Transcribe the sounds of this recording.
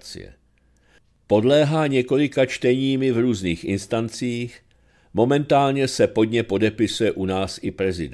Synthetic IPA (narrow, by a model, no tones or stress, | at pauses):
t͡sɪ̰ɛ̰ | po̞dlɛːɦaːɲɛko̞lɪkat͡ʃt̪ɛɲiːmɪvɾuːzniːxʔɪnst̪ant͡siːx | mo̞mɛnt̪aːlɲɛsɛpo̞d̪ɲɛpo̞dɛpɪsujɛʔunaːsɪpɾɛzɪd